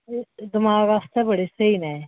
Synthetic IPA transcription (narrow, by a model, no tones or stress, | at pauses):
d̪ɪmaːɡaːst̪ɛbəɽesəinɛ̃